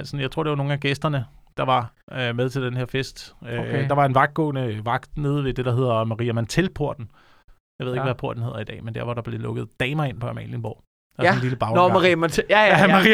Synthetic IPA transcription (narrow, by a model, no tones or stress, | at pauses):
lsɒn̩jɑ̈ɪt͡sʰo̝ɐ̰d̥e̝ʋɑno̝ːn̩æɡ̥esd̥ɐnəd̥ɑ̈ʋɑ̈ | ømeð̞ˠt͡sʰe̝ld̥enheɐ̰fesd̥d̥ɑ̈ʋɑ̈e̝nʋɑ̈ɡ̥̚d̥̚ɡ̥ɔ̰̽ːnəʋɑ̈ɡ̥d̥ne̝ːð̞ˠʋe̝d̥e̝ɾ̥ɑ̈ɦe̝ð̞̰ˠɐmɑ̈ʁḭːæmænt͡sʰelpʰoɐ̰d̥n̩ | jɑɪe̝ð̰ˠe̝ɡʋæpʰo̝ɐ̰d̥n̩he̝ð̰ˠɐid̥ɛ̰ːmend̥æɐʋɒɾ̥ɑ̈b̥le̝lɔ̽ɡ̥ð̞̩ˠd̥ɛːmɐe̝npʰɒ̽ɑmɛ̰nljənb̥ɒ̰ʊ̰ | enliləb̥ɑ̈ʊnmɑʁimnʰ | i